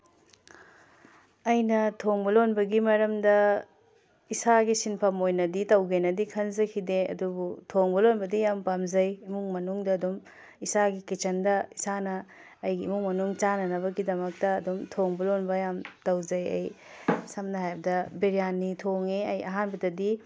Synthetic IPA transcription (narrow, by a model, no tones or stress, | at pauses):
ɐjnɐtʰoŋbɐlonbɐɡimɐɾɐmdɐ | isaɡisinpʰɐmojnɐditɐwɡenɐdikʰɐnzɐkʰideɐ̰dubutʰoŋbɐlonbɐdijampamzɐjimuŋmɐnuŋdɐːdum | isaɡikit͡ʃɐndɐisanɐː | jɡimuŋmɐnuŋt͡ʃanɐnɐbɐɡidɐmɐk̚tɐːdumtʰoŋbɐlonbɐjamtɐwzɐjɐ̰j | sɐmnɐɦajbɐdɐbiɾijanːitʰoŋeɐjɐɦanbɐdɐdi